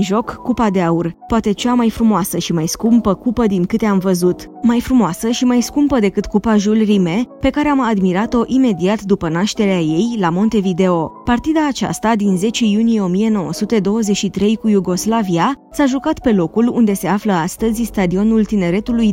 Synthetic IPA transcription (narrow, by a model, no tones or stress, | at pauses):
nʒo̞kːupad̪e̞aurpoat̪e̞t͡ʃamajfɾumoasəʃimajskumpəkupəd̪iŋkɨt̪eamvəzut̪ | majfɾumoasəʃimajskumpəd̪e̞kɨt̪kupaʒulrime̞pe̞kaɾe̞amad̪miɾat̪o̞ʔime̞d̪iat̪d̪upənaʃt̪e̞ɾeaje̞jlamo̞nt̪e̞vid̪e̞o̞part̪id̪aːt͡ʃa̰st̪ad̪inze̞t͡ʃe̞junije̞o̞mije̞no̞wə̰sut̪e̞d̪o̞wəzeʃit̪ɾe̞jkujuɡo̞slaviasaʒukat̪pe̞lo̞kulund̪e̞se̞afləast̪əzʲst̪ad̪io̞nult̪ine̞ɾe̞t̪uluj